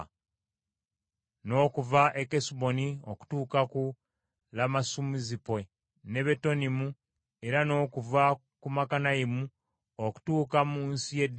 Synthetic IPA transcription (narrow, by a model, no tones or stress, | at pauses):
no̞ːkuvaʔekesubo̞nioku̥tuːkaku | lamasumizipe | ne̞βe̞to̞nimu | e̞ɾano̞ːkuva | kumakanajimu | oku̥tuːkamuːnsijed